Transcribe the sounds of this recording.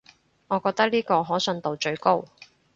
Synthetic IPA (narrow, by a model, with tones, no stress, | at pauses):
ŋɔː˨˧kɔː˧k̚t̪ɐ˥k̚liː˥kɔː˧ɦɔː˨˥sɵ˨˧nt̪o˨˧wt͡ʃɵ˧ɥko˥w